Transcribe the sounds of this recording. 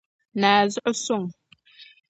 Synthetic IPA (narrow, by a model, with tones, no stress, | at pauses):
naː˨zə˦ʔso˦˨ŋ